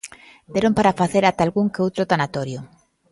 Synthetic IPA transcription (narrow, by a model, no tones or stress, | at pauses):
d̪eɾompaɾafaθeɾat̪alɣuŋkeowt̪ɾot̪anat̪oɾjo